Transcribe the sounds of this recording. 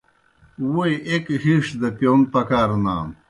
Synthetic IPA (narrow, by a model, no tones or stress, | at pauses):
wujʔekhiʂd̪ɐpjonpɐkaːɾnaːn